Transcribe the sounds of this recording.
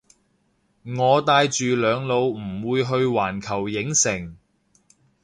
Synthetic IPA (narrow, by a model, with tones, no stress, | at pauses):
ŋɔː˨˧t̪aː˧jt͡ʃyː˨lœː˨˧ŋlo˨˧wm̩˨˩wuː˨˧jɦɵ˧ɥwaː˨˩nkʰɐ˨˩wjɪ˨˥ŋsɪ˨˩ŋ